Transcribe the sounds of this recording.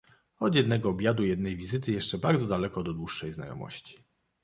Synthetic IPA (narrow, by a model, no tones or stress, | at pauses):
ɔd̪jɛd̪nɛɡɔːbʲjad̪ujɛd̪nɛjvʲizɘt̪ɘjɛʂt͡ʂɛbaɾd̪zɔd̪alɛkɔd̪ɔd̪wuʂːɛjzna̰jɔ̰mɔ̰ɕt͡ɕi̥